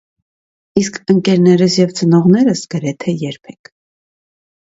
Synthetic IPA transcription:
iskʰəŋkɛɾnɛɾəsjɛvt͡sənɔʁnɛɾəsɡ̥əɾɛt̪ʰɛjɛɾpʰɛkʰ

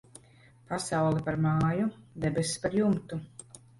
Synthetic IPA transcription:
pasawlˠɛpaɾmaːjud̪ɛbespaɾjumt̪u

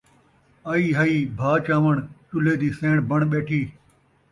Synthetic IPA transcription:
aiːɦɐiːbʱaːt͡ʃaːʋəɳt͡ʃʊleːd̪iːsẽːɽ̃bɐɳɓeːʈʰiː

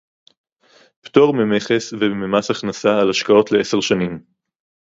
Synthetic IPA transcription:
pto̞ʁmemeχesvememasaχnasaːlaʃkao̞tleeseʁʃanim

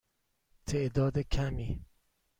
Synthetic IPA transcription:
t̪ʰeʔd̪ɒːd̪ekʰæmiː

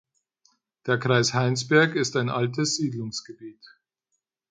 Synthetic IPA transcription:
d̥eːɐkʁ̥aɪshaɪnsb̥ɛɐkɪstaɪnʔaltəsz̥iːdlʊŋsɡ̥əbiːt

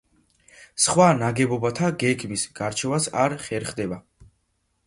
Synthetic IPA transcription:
sχwanaɡɛbɔbat̪ʰaɡɛɡmisɡ̥aɾt͡ʃʰɛvasaɾχɛɾχd̪ɛba

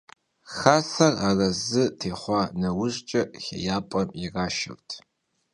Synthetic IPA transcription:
xaːsɐraːrɐzɨtʰeːχʷɑːnɐwʊɕʼt͡ʃʼɐxʲɐ̰jaːpʼɐmjɪraːʃɐ̰rtʰ

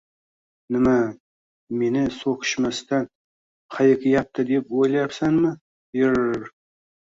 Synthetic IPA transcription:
nɪma | me̞nɪsokʲʰɪ̥ʃmast̪an | χajɪkʲɪjap̚t̪əd̪epwojlˠjɾsanmɪ | ɪɾ

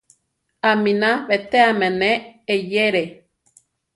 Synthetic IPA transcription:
amĩnãβet̪eamẽneːjeɾe

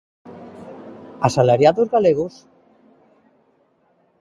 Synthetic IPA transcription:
asalaɾjaðozɣaleɣos

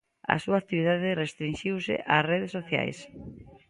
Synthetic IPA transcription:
a̰suaːk̚t̪iβiðaðɪrest̪ɾinʃiwsɪ̰ʔasreðesːoθja̰js

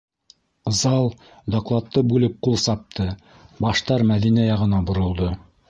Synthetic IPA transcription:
zɑlˠ | d̪oklˠɑt̪ːɤbʉlɘp̚qulˠsɑp̚t̪ʰɤ | bɑʃt̪ɑɾmæðinæjɑʁɤ̆nɑbŏɾŏlˠd̪ɤ

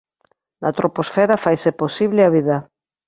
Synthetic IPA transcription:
nat̪ɾoposfɛɾafajseposiβlɪaβiða

